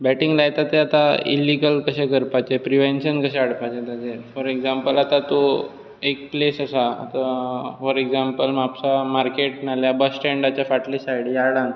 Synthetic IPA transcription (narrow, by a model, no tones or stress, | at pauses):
bɛʈiŋɡlajt̪at̪eat̪aḭlːiɡəlkəɕɛ̃kəɾpat͡ɕepɾiʋẽnɕənkəɕɛ̃aɽpat͡ɕet̪ad͡ʑefɔɾeɡzãmpəlat̪at̪o | ek̚plesəsaa̰t̪afɔɾeɡzampəlmapsamaɾkeʈ̚naljabəsːʈɛɳɖat͡ɕjafaʈleɕajɽjaɽãŋɡ